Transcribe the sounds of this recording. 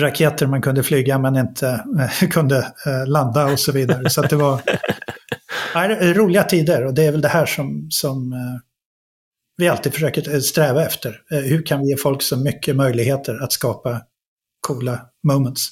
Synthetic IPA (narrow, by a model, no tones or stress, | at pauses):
ɾakʰeːt̪əɾmankʰɵnd̪əflyːɡamɛnɪnt̪ʰəkʰɵnd̪əland̪aɔsɔviːd̪aɾəsɔat̪̚d̪ɛvaɾ | æɪd̪ɛɾuːlɪɡat̪ʰiːd̪əɾɔd̪ɛæɾvɛld̪ɛhæːʂɔmsɔm | vɪalt̪iːd̪̥fə̥ʂøːkəɾst̪ɾɛːvaɛft̪əɾhɵɾkʰanvɪjeːfɔlksɔmʏkʰːəmœjlɪɡheːt̪ʰəɾat̪skɑːpa | kʰuːla | mɔʊmənt̪s